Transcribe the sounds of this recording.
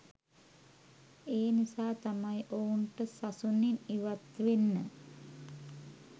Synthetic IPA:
eːnisaːt̪amajʔouɳʈəsasuniniʋat̪ʋenːə

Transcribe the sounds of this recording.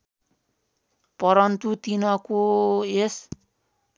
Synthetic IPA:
pʌɾʌnt̪ut̪inʌkoes

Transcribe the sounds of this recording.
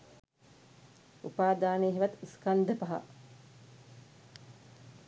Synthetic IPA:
ṵpaːd̪aːneːɦiʋɐt̪iskand̪əpaɦa̰

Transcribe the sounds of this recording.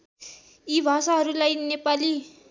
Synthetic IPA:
ibʱasaɦʌɾulajnepali

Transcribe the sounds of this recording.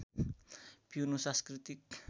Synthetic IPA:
b̥iunusaskrit̪ik̚

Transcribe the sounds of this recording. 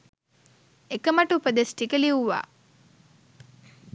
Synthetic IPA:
ekɐmɐʈupəd̪esʈikəliuʋa̰ː

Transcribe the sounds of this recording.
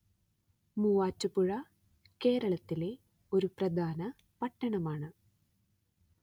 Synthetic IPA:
muːaːtːupuɻɐ | ke̞ːɾɐɭɐt̪ːile̞ | o̞ɾuprɐd̪ʱaːnɐ | pɐʈːɐɳɐmaːɳɨ

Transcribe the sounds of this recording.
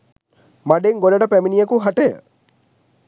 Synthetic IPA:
maɖeŋɡoləɖəpæminijəkuɦaʈəjə̰

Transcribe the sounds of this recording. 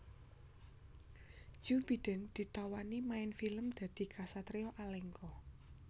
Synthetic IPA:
d͡ʒ̥ub̥i̤d̪̥ə̤nd̪̥i̤t̪awanimaɪnfiləmd̪̥ä̤d̪̥i̤kʰasat̪ɾeɔʔalɛŋkɔ

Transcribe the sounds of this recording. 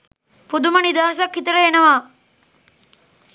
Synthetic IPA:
pud̪umɐnid̪aːsɐkːit̪ɐɾɐenɐʋaː

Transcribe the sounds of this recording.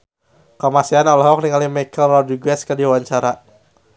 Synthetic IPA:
kəmasianɔlɔɦɔk̚niŋalimɛkəlrɔduɡwɛskədiwaɲt͡ʃaɾa

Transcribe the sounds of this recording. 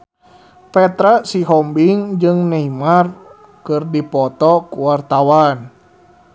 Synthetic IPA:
pɛt̪ɾasiɦɔmbiŋd͡ʒɨŋneimar | kɨrdipɔt̪ɔkuwart̪awan

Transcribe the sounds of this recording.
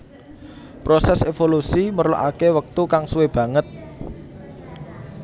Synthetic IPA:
pɾosɛsefolusimərlo̰ʔakewək̚t̪ukaŋsuweb̥ä̤ŋət̪̚

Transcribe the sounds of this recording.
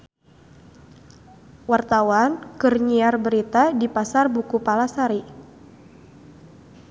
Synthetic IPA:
wart̪awankərɲiarbəɾit̪adipasarbukupalasaɾi

